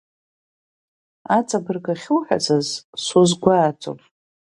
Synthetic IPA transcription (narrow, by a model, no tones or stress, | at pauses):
at͡sʼabɨrɡaχʲʊwħa̰t͡sʰazsozɡʷaːt͡sʰʷʼo̰r